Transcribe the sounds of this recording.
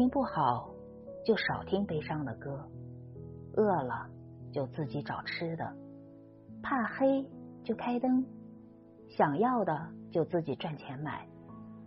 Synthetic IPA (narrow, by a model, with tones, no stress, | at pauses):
i˥ŋpu˥˩xɑ˨˩˦ʊ | t͡ɕjo˥˩ʊʂɑ˨˩ʊt̪ʰi˥ŋpe˥ɪʂɑ˥˩ŋd̪ə˨˩kɤ˥ | ɤ˥˩lə̰˩ | t͡ɕjo˥˧ʊt͡sɹ̩˥˩t͡ɕi˧˥ʈ͡ʂɑ˨˩ʊʈ͡ʂ̩ʰ˥d̪ə̰˨ | pʰa˥˩xe˥ɪt͡ɕjo˥˩ʊkʰa˥ɪt̪ɤ˥ŋ | ɕjɑ˨˩ŋjɑ˥˩ʊd̪ə˩t͡ɕjo˥˧ʊt͡sɹ̩˥˩t͡ɕi˨˩ʈ͡ʂwa˥˩nt͡ɕʰjɛ˧˥nma̰˨˩˦ɪ